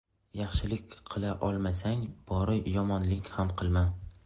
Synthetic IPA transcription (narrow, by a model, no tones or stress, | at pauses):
jɑχʃɪlɪkʲqʰɨlˠaʔɒlˠmasaŋb̥ɒɾɪjɒmɒnlɪkʲhamqʰɨlˠman